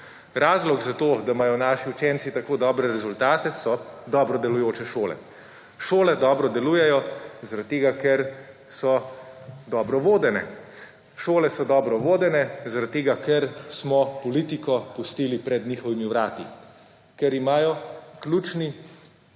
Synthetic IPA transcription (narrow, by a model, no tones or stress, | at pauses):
ɾaːzlɔɡzat̪oːd̪amaːjɔnaːʃiut͡ʃɛnsit̪akoːd̪ɔːbɾɛɾɛzult̪aːt̪ɛsɔd̪ɔːbɾɔd̪ɛlujoːt͡ʃɛʃoːlɛ̰ | ʃoːlɛd̪ɔːbɾɔd̪ɛluːjɛjɔzaɾat̪̚t̪ːeːɡakɛɾ | sɔ | d̪ɔːbɾɔʋoːd̪ɛnɛ̰ | ʃoːlɛsɔd̪ɔːbɾɔʋoːd̪ɛnɛzaɾat̪̚ːeːɡakɛɾsmɔpɔliːt̪ikɔpust̪iːlipɾɛd̪niːxɔʋimiʋɾaːt̪ḭ | kɛɾimaːjɔklʲuːt͡ʃni